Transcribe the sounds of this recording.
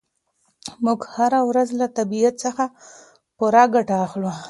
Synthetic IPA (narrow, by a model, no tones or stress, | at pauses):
mʊɡhaɾawɾazlat̪abiat̪səxa | puɾɑɡaʈaːxlu